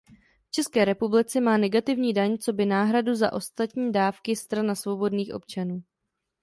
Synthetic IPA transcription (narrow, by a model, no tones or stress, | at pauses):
ft͡ʃɛskɛːɾɛpublɪt͡sɛmaːnɛɡat̪ɪvɲiːdaɲt͡so̞bɪnaːɦɾaduza̰ʔo̞st̪at̪ɲiːdaːfkɪst̪ɾanasvo̞bo̞dniːxʔo̞̰p̚t͡ʃanuː